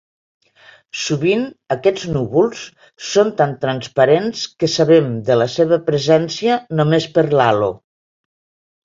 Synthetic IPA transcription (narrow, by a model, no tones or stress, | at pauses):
suβinəkɛd͡znuβulˠsː | ont̪ant̪ɾanspaɾenskəsaβemd̪ələseβəpɾəzɛnsiənomespəɾlalo̰